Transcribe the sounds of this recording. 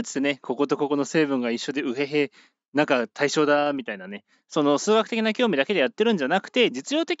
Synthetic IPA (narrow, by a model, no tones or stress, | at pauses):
t̪t͡sɨ̥enekʰo̞ko̞t̪o̞ko̞ko̞no̞se̞ːbɯ̟̃ŋɡaiɕːo̞d̪e̞ɯ̟ɦe̞ɦe̞ | nãŋkat̪ʰaiɕo̞ːd̪amʲit̪ainane̞ | so̞no̞sɨːɡakɯ̟t̪ekʲinakʲo̞ːmʲid̪aked̪ejat̪ːe̞ɾɯ̟̃ɲ̟d͡ʑanakɯ̟̥t̪e̞d͡ʑit͡sɨjo̞ːt̪e̞kʲ